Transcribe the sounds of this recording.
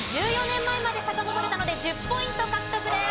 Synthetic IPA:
d͡ʑɨːjo̞nẽ̞mːaemad̪e̞sakamot̪oɾe̞t̪ano̞d̪e̞d͡ʑɨpːo̞ĩnt̪o̞kakɯ̟̥t̪o̞kɯ̟d̪e̞

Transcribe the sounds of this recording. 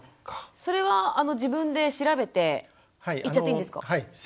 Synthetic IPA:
kso̞ɾe̞βaːno̞d͡ʑibɯ̟̃nd̪e̞ɕiɾabe̞t̪e̞ | haiit͡ɕat̪ːeĩnd̪esɨ̥ka̰ai

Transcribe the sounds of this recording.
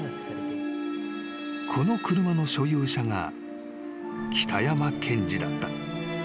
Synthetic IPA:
kʰo̞no̞kɯɾɯ̟mano̞ɕo̞jɯːɕaŋa̰ | kʲi̥t̪ʰajamakʰẽ̞ɲd͡ʑid̪at̪ːḁ

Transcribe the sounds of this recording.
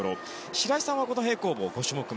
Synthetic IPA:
ɾo | ɕiɾaisãɰ̃βako̞noɦe̞ːko̞ːboːɡo̞ɕɨmo̞kɯ̟

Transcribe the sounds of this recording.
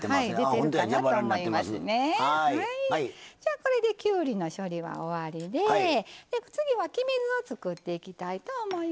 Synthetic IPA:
ehaid̪eẽɯkanaoːomoimasɨne̞aaid͡ʑaːko̞ɾe̞d̪e̞kʲɨːɾʲino̞ɕo̞ɾʲiβa̰o̞βaɾʲid̪e̞d̪̥e̞t͡sɨɡʲiβakʲimizɨo̞t͡sɨkɯ̟t̪ːe̞ikʲit̪ait̪o̞ːmo̞i

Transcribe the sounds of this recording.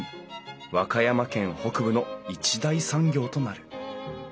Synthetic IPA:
βakajamakẽ̞ɰ̃ho̞kɯ̟bɯ̟no̞it͡ɕid̪aisãŋɡʲo̞ːt̪o̞naɾɯ̟

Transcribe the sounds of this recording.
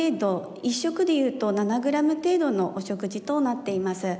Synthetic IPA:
d̪o | iɕːo̞kɯ̟d̪e̞jɯ̟ːt̪o̞nanaɡɯ̟ɾamɯ̟t̪e̞ːd̪o̞no̞ʔoɕo̞kɯ̟ʑit̪o̞nat̪ːe̞imasɨ

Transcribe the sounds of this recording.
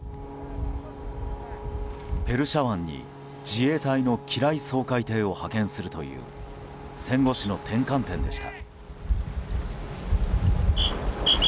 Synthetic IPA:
pe̞ɾɯ̟ɕaβãɲ̟ːḭ | d͡ʑie̞ːt̪aino̞kʲʰiɾaiso̞ːkait̪e̞ːo̞hakẽ̞ɰ̃sɨɾɯ̟t̪o̞̰jɯ̟̰ː | sẽ̞ŋɡo̞ɕino̞t̪ʰẽ̞ŋkãnt̪ẽ̞nd̪e̞ɕi̥t̪a̰

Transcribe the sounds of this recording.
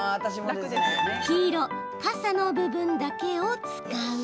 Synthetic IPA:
at̪aɕim | çiːɾo̞ | pasanobɯ̟bɯ̟̃nd̪ake̞ot͡sɨ̥kaɯ

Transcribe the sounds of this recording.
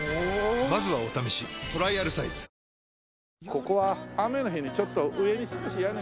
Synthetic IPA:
omazɨβaot̪amiɕit̪o̞ɾaiaɾɯ̟saisɨ̥ | ko̞ko̞βaame̞noɦʲçiɲ̟it͡ɕo̞t̪ːo̞ʔɯe̞ɲʲisɨkoɕijan

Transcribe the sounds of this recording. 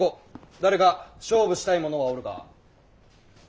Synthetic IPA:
od̪aɾe̞ɡaɕo̞ːbɯ̟ɕi̥t̪aimo̞no̞ɡaoɾɯ̟ka̰

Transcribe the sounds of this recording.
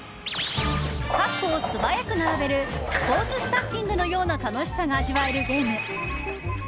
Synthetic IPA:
kapːoːsɨbajakɯ̟naɾabe̞ɾɯ̟spo̞ːt͡sɨsɨ̥t̪akʲːĩnd̪ɯ̟no̞jo̞ːnat̪ano̞ɕi̥saɡaːʑiβaeɾɯ̟ɡe̞ːmɯ̟

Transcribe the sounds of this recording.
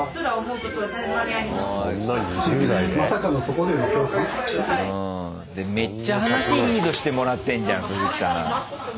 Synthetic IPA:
soɾaomoɯt̪okʲo | aaoonːaɲiʑɨːnaid̪emasakanot̪okod̪emat̪okɯɯ̃ | d̪e̞me̞t͡ɕːaɦanaɕiːɲʲiːd̪o̞ɕi̥t̪e̞mo̞ɾat̪ːẽ̞ɲd͡ʑã̰sɨzɨkʲi̥saɾã̰

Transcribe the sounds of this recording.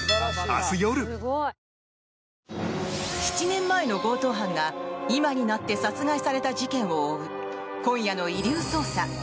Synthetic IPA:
a̰sɨjoɾɯ̟ | çi̥t͡ɕinẽ̞mːae̞no̞ɡo̞ːt̪o̞ːɦãŋɡaimaɲ̟inat̪ːe̞sat͡sɨɡaisaɾe̞t̪aʑikẽ̞ɰ̃oːɯ̟ | kõ̞ɰ̃jano̞iɾʲɨːso̞ːsa

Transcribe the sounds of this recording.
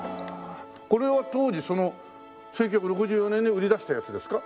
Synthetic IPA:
ko̞ɾe̞βat̪o̞ːd͡ʑiso̞no̞ | se̞ŋk̬ʲːakɯ̟ɾo̞kɯ̟ʑɨːjo̞nẽ̞ɲiɯ̟ɾʲid̪aɕi̥t̪ajat͡sɨd̪e̞sɨ̥ka

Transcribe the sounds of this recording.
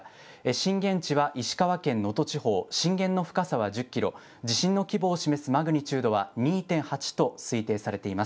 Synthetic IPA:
eɕĩŋɡẽ̞ɲt͡ɕiβaʔiɕi̥kaβakẽ̞nːo̞t̪o̞t͡ɕiho̞ːɕĩŋɡẽ̞nːo̞ɸɯ̥kasaβad͡ʑɨkʲːiɾo̞̰ | d͡ʑiɕĩnːo̞kʲibo̞ːɕime̞sɨmaɡɯ̟ɲ̟it͡ɕɨːd̪o̞β̞aɲ̟iːt̪ẽ̞ɰ̃hat͡ɕi̥t̪o̞sɨit̪e̞ːsaɾe̞t̪e̞imas

